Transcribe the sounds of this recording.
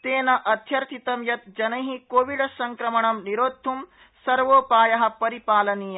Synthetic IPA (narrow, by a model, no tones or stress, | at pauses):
t̪eːnɐʔɐt̪ʰjɐɾt̪ʰit̪ɐmjɐt̪̚d͡ʒɐnɐɦikoːʋiɽɐsɐŋkɾɐmɐɳɐmniɾoːd̪ʱːum | sɐɾʋoːpaːjɐɦɐ̆pɐɾipaːlɐniːjɐ